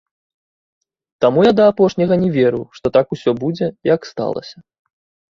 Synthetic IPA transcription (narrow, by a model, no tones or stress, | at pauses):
t̪amujad̪ɐːpɔʂnʲɐɣɐnʲɛvʲeɾɨwʂt̪ɔt̪akusʲɔbud͡zʲɛjɐkst̪a̰lˠɐ̰sʲɐ